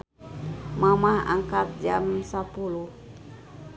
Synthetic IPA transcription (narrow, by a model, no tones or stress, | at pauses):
mamaha̰ŋkat̪̚d͡ʒamsapuluh